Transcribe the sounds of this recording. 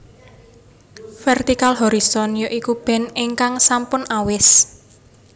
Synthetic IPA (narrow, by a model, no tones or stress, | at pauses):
fɛrt̪ikalɦɔɾisɔnjoʔikub̥ɛ̤nɪŋkaŋsampʊnawɪs